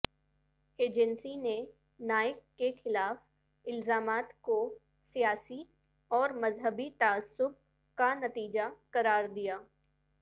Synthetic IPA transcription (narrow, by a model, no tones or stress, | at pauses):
eːd͡ʒɛnsine | naːɪkːexɪlaːf | ɪlzaːmaːt̪ko | sijaːsi | ɔːɾmɐzɦəbit̪aəsːʊb̚ | kanɐt̪iːd͡ʒakɐɾaːɾd̪ijaː